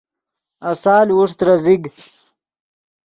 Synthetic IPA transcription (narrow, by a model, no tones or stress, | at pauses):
asaːlwuʂt̪ɾaziɡ